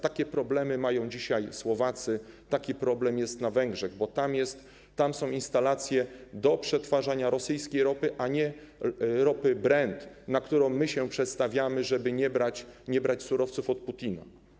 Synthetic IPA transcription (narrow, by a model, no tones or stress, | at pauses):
t̪akʲɛpɾɔblɛmɘmajɔ̃w̃d͡ʑiɕajswɔvat̪sɘt̪akʲipɾɔblɛmjɛst̪navɛŋɡʐɛɣbɔt̪amjɛst̪ː | amsɔ̃w̃inst̪alat̪sʲjɛd̪ɔpʂɛt̪faʐaɲaɾɔsɘjskʲejɾɔpɘʔaɲɛ | ɾɔpɘbɾɛnt̪ | nakt̪uɾɔ̃w̃ːɘɕɛpʂɛt̪st̪avʲjamɘʐɛbɘɲɛbɾat͡ɕɲɛbɾat͡ɕsuɾɔft̪sufɔt̪̚put̪ʲina̰